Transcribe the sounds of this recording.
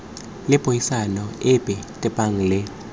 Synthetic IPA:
lɪbʱʼojisanɔɪbʼɛtʼɛpʼaŋ̩lɪ

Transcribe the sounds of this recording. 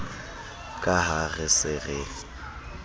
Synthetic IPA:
kʼaɦaɣɪsɪɣɪ

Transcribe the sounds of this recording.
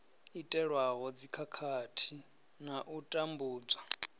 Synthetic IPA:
itʼɛɺwaɦɔd͡zikʰakʰatʰi | naʔutʼambuːd͡zwa

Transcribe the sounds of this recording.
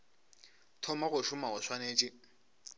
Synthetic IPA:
tʰɔmaɣʊʃʊmaʊswaneːt͡ʃʼɪ

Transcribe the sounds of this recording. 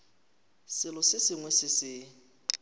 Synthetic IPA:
sɪlʊsɪsɪŋwɛsɪsɪ

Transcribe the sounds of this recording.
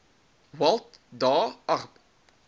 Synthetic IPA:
wɐlˠtdɑːɐʁp

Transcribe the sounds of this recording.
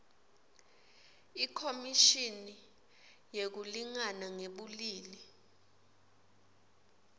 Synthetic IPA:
ikʰomiʃini | jek̬uliŋanaŋeɓuliːli

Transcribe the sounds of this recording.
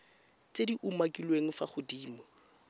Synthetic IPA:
t͡sediʔumakʼilweŋ̩faχʊdiːmɔ

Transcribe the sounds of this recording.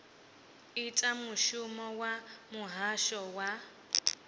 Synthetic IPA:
itʼamuʃumɔwamuɦaʃɔwa

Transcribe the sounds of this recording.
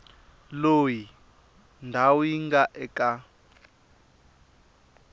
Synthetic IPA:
loːji | ndʱawiŋɡaʔɛkʼa

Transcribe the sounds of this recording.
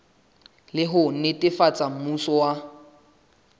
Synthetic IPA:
lɪɦʊn̩nɪtʼɪfat͡sʼam̩musɔwa

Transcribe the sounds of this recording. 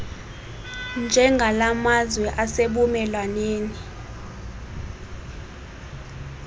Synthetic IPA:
nd͡ʒʱɛŋɡʱalamazwɛʔaseɓumɛlwaneːni

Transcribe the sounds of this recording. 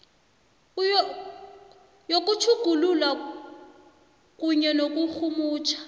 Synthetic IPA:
jok̬ʼut͡ʃʰuɡ̥ʱululwa | k̬ʼuɲɛnok̬ʼuxʰumuːt͡ʃʰḁ

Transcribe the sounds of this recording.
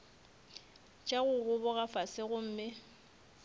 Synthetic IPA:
t͡ʃʼaɣʊɣʊbʊɣafasɪɣʊm̩ːmɪ

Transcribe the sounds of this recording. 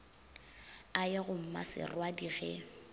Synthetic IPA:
aɪɣʊm̩ma̰sɪ̰rwadiɣɛ

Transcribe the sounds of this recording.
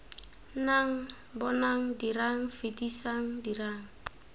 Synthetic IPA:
naŋ̩ | bɔnaŋ̩diraŋ̩fedisaŋ̩diraŋ̩

